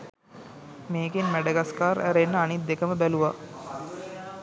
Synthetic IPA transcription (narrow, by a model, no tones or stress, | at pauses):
meːɡenmæɖəɡaskaːɾæ̰ɾenːəanit̪̚d̪ekəməbæluʋa